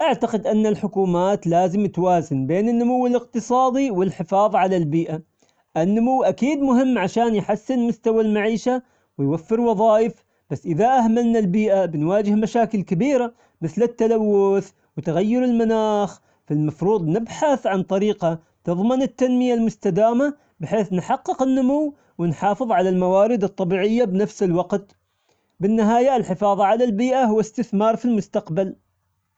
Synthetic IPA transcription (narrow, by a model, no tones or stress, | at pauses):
ʔaʕt̪aqɪd̪ʔanːalħʊkuːmaːt̪laːzɪmt̪waːzɪnbeːnɪnːʊmʊwːɪlɪq̚t̪ɨsˤɑːd̪iwɪlħɪfɑːðˤʕalalbiːʔa | ʔɪnːʊmʊwːʔakiːd̪mʊɦɪmːʕaʃaːnjħasːɪnmʊst̪awalmaʕiːʃa | wɪjwafːɪɾwɑðˤɑːjɪf | b̥asːʔɪðaʔahmalnalbiːʔabɪnwaːd͡ʒɪhmaʃaːkɪlkɪbiːɾa | mɪθlɪt̪ːalawːʊθ | wt̪ɣajːɪɾɪlmanaːx | filmɑfɾuːðˤnɪbħaθʕant̪ˤɑɾiːqɑ | t̪ɨðˤmɪnɪt̪ːanmɪjalmʊst̪ad̪aːma | bɪħeːθnħɑqːɨqɪnːʊmʊwː | wɪnħɑːfɨðˤʕalalmawaːɾɪd̪ɨt̪ˤːɑbiːʕɪjːabnafsɪlwɑqt̪ | bɪnːɪɦaːjaɪlħɪfɑːðˤɑʕalalbiːʔaɦʊwːast̪ɪθmɑːɾˤfilmʊst̪aqbal